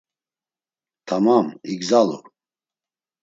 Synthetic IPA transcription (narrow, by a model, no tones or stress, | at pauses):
t̪ʰamamiɡzalɔ̰